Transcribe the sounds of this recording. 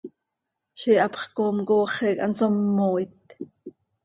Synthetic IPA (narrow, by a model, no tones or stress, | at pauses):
ʃiːʔɑpχkoːmkoːχɛːkɑ̰nt͡somːoːit̪